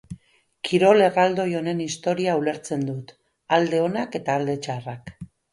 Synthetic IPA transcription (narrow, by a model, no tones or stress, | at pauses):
kʰiɾo̞le̞rald̪o̞jo̞ne̞nist̪o̞ɾiaule̞ɾt͡se̞nd̪ut̪ | ald̪e̞o̞nake̞t̪aːld̪e̞t͡ʃarak